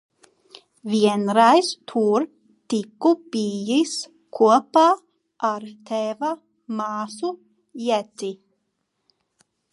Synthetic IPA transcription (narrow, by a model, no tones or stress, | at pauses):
vʲiɛnɾajst̪ʰuɾ | t̪ikːubiːjis | kʰuɔpaː | aɾt̪ʰɛva | maːsu | jɛtt̪i